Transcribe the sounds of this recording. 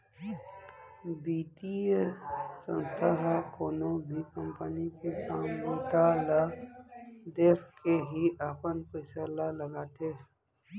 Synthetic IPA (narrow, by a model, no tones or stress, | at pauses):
biːt̪i | sə̰̃nst̪ʰaɦkoːnobʱikə̃mpənikekaːmɡoʈ̪ala | d̪eːfkeɦiʔapənpəɪsalaləɡaːt̪eɦ